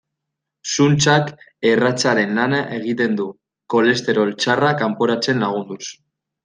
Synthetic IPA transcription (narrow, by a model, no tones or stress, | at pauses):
sunt͡sakerat͡saɾe̞nlanaʔe̞ɣ̞it̪e̞nd̪u | ko̞le̞st̪e̞ɾo̞lt͡sarakampoɾat͡se̞nlaɣ̞und̪us